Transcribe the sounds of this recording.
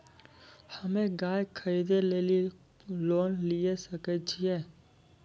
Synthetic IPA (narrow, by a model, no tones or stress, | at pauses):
həmẽɡaːjkʰəɾiːd̪eleːli | loːnlijesəkət͡ʃʰiɛː